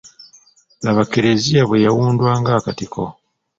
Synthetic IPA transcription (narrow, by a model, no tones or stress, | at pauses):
laβakeɾezijaβwejawuːndwaːŋɡaːkatikʰo̰